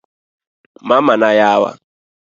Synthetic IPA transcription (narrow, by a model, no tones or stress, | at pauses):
mamanajaːwa̰